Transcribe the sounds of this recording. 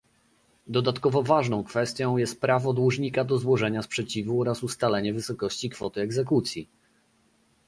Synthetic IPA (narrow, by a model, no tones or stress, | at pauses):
d̪ɔd̪at̪kɔvɔvaʐnɔ̃w̃kfɛst̪ʲjɔ̃w̃jɛst̪̚pɾavɔd̪wuʐɲikad̪ɔzwɔʐɛɲaspʂɛt͡ɕivuɔɾasust̪alɛɲɛvɘsɔkɔɕt͡ɕikfɔt̪ɘɛɡzɛkut̪sʲji